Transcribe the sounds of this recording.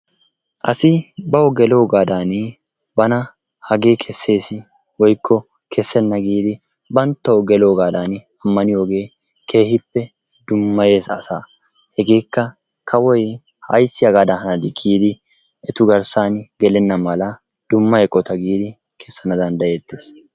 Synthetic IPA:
ʔɐsɪbɐwɔɡɛloːɡaːd̪aːn | bɐnɐ | hɐɡe̞ːkʰɛsːe̞ːsɪ | wɔjkʰːɔ | kʰɛsːɛnːɐɡiːd̪ɪ | bɐnt̪ːɐwɔɡɛloːɡaːd̪aːn | ɐmːɐnɪjo̞ːɡe̞ː | kʰe̞ːhɪpːɛ | d̪ʊmːɐje̞ːsɐ̰saː | hɛɡe̞ːkːɐ | kʰɐwɔj | hɐ̰jsːɪjɐɡaːd̪ɐhɐnɐd̪ɪkʰːiːd̪ɪ | ɛt̪ʊɡɐɾsaːnɡɛlɛnːɐmɐlɐ | d̪̥ʊmːɐjɛkʼːɔt̪ɐɡiːd̪ɪ | kʰɛsːɐnɐd̪ɐnd̪ɐjeːt̪ːeːs

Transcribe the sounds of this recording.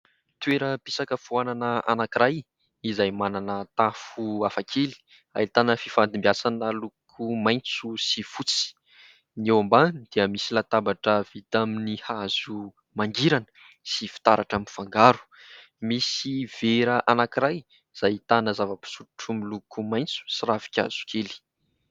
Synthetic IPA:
t̪weɾəpisakəfuananəa̰nakiɾaj | izajmananət̪afuafakʰeli̥ | a̰it̪anəfifand̪imbiasanəlukʰumajnt͡susifut͡si̥ | niewamband̪̥iəmisilat̪abaʈ͡ʂəv̥it̪aminihazu | maŋɡiɾanə̥ | sifi̥t̪aɾaʈ͡ʂamifaŋɡaɾu̥ | misiv̥eɾəʔanakiɾaj | z̥ajt̪anəzavəpu̥suɾuʈ͡ʂumilukumajnt͡su̥siravi̥kʲa̰z̥u̥kʰeli̥

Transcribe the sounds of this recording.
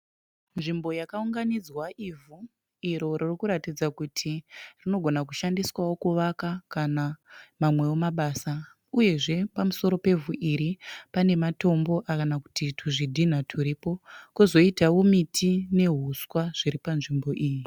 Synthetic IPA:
nʐimbo̞jakauŋɡanid͡zwaʔivu | iɾo̞ririkuɾatid͡zakutʰirino̞ɡʱonakuʃandiswawo̞kuʋakakanamamwe̞omaɓaːsa | uje̞ʐe̞pamuso̞ɾo̞pe̞vuʔiɾipane̞mato̞mbo̞ʔakanaku̥titʰuʐidʱin̤atʰuɾipo̞kuzo̞itawomitʰine̞ɦuswaʐ̥iɾipanʐimbo̞ʔiːji

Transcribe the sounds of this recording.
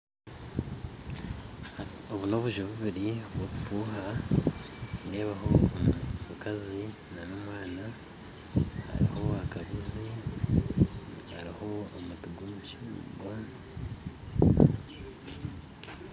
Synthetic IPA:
oβuno̞βuʒoβuβiɾioβwoβufuːɦa | ɾe̞ːβaho̞ | mukazi | nanoːmwaːna | ha̰ɾḭho̞akaβuzi | a̰ɾiho̞ːmutuɡumuʃḭɡwa

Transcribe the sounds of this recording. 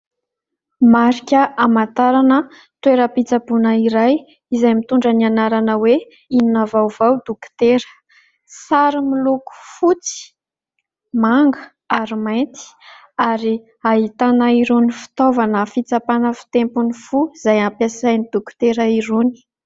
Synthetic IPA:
maɾikʲəamant̪aɾanə | t̪weɾəpit͡sabunəiɾaj | izajmit̪uɳɖ͡ʐənianaɾanəwe | ininavawvawd̪ukt̪eɾə̥ | saɾimiluku̥fut͡si̥ | maŋɡə | aɾimajnt̪i̥ | aɾi | aɦit̪anəiɾunifi̥t̪ovanəfit͡sapanəfi̥t̪empunifuizajampjasajnid̪̥ukt̪eɾəiɾuni̥

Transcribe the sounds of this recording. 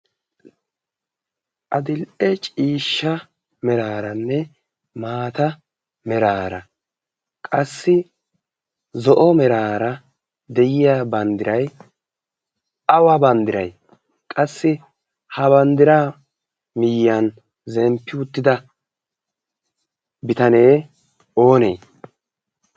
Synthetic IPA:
ʔɐd̪ɪlʔɛt͡ʃʼiːʃːɐ | mɛɾaːɾɐnːɛ | maːt̪ɐ | mɛɾaːɾɐ̰ | kʼɐsːɪ | zɔʔɔmɛɾaːɾɐ | d̪ɛjɪjaːbɐnd̪ɪɾɐj | ɐwɐbɐnd̪ɪɾɐj | kʼɐsːɪ | hɐβɐnd̪ɪɾaː | mɪjːɐn | zɛmpːɪʊt̪ːɪd̪ɐ | bɪt̪ɐne̞ː | o̞ːnḛː

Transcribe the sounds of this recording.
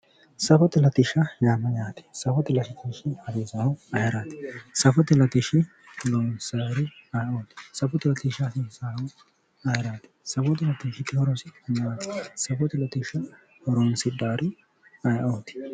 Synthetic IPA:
sɐfɔt̪ɪlɐt̪ɪʃɐjaːmɐjaːt̪ɪ̥sɐfɔt̪ɪlɐʃɪt̪iʃɪhɐɾeːzaːwɐjɐɾaːt̪ɪ̥sɐfɔt̪ɛlɐt̪ɪʃɪ | ɔloːnsɐɾɪɐjoːt̪ɪ̥sɐfɔt̪ɪlɐt̪ɪʃɐsɪsaːw | ɐjɐɾaːt̪ɪ̥sɐfɔt̪ɛlɐt̪ɪʃɪt̪ːɪhɔɾosɪɐnɐɾaːt̪ɪ̥sɐfɔt̪ɛlɐt̪ɪʃɐ | hɔɾonsɪd̪aːɾɪ | ɐjʔoːt̪ɪ̥

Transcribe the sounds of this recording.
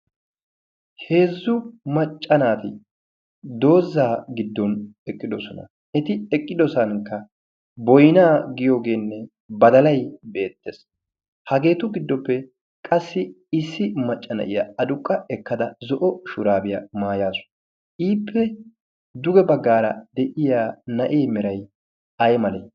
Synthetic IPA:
he̞ːzːʊmɐt͡ʃʼːɐnaːt̪ɪ | d̪o̞ːzːaːɡɪd̪ːɔnɛkʼːɪd̪ɔsɔnɐ̰ | ɛt̪ɪɛkʼːɪd̪ɔsɐnkːɐ | bɔjnaːɡɪjoːɡe̞ːnːɛ | bɐd̪ɐlɐjbe̞ːt̪ːeːs | hɐɡe̞ːt̪ʊɡɪd̪ːɔpːɛ | kʼɐsːɪ | ɪsːɪmɐt͡ʃʼːɐnɐ̰ʔɪjɐɐd̪ʊkʼːɐɛkːɐd̪ɐzɔʔɔʃʊɾaːbɪjɐmaːjaːsʊ̥ | ʔiːpʰːɛ | d̪ʊɡɛbɐɡːaːɾɐd̪ɛʔɪjaːnɐʔeːmɛɾɐj | ɐjmɐle

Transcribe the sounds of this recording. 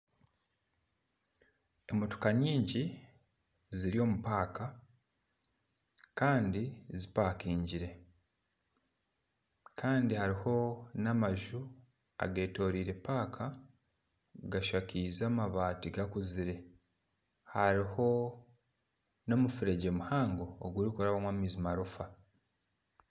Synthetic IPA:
emoto̥kaɲiːɲɟi | ziɾio̞ːmupaːka | kaːndizipaːkiːɲɟiɾe̞ | kʰaːndihaɾiho̞namaʒu | a̰ɡe̞ːto̞ːɾiːɾe̞paːkʰa | ɡaʃakiːzamaβaːtiɡakuziɾe̞ | haɾiho̞ | no̞mufiɾe̞ɟe̞muhaːŋɡoːɡuɾikoɾaβamwamizimaɾufa

